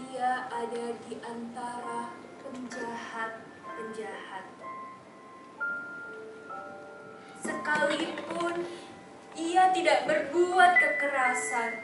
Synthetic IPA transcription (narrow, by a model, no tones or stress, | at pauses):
iaadadiʔant̪aɾa | pəɲd͡ʒahat̪̚ | pəɲd͡ʒahat̪̚ | səkalipʊn | ʔiat̪idaʔbərbuat̪̚kəkəɾasan